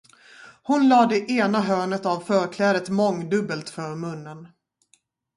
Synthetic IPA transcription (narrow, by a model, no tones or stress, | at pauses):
hʊnlɑːd̪ɛʔeːnaɦœːɳət̪avfœːɾkʰlɛːd̪ət̪mɔŋd̪ɵbːəlt̪fœɾmɵnːən